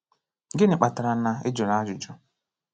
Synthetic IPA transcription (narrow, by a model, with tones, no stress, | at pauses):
ɡɪ˦nɪ˨k͡pa˨ta˨ɾa˨na˨e˦d͡ʒo˨na˦d͡ʒʊ˨d͡ʒɔ˦